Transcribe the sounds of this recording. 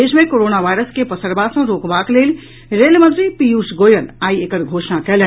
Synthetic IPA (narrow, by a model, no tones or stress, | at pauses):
eːʃmẽkoːɾoːnaʋaːɪɾəskepəsəɾbaːsõɾoːkbakleːl | ɾeːlmə̃nt̪ɾipijuːsɡoːjənaːieːkəɾɡʱoːʃnakɛlɛ